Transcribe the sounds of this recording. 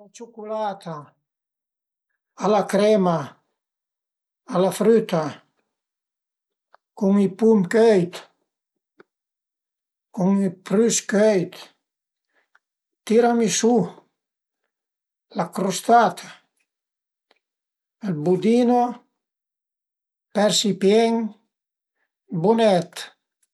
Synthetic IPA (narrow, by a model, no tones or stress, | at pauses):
lat͡ʃukulat̪a | alakɾɛma | lafɾyt̪a | kuŋipumkɛjt̪ | kuŋipɾyskɛjt̪ | t̪iɾamisu | lakɾost̪at̪ʰa | elbud̪ino | pɛɾsipjɛŋ | bunɛt̪